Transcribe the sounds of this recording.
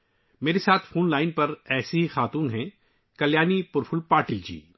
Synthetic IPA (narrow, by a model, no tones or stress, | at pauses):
meːɾesaːt̪ʰfoːnlaːɪnpɐɾɛːseɦixaːt̪uːnɦɛ̃ | kɐljaːnipʊɾfʰʊlpaːɾʈɪld͡ʒḭː